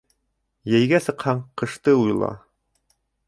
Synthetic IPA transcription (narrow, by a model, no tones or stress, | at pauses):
jæjɡæsɤ̆qhɑɴqɤ̆ʃt̪ɤujlˠɑ̰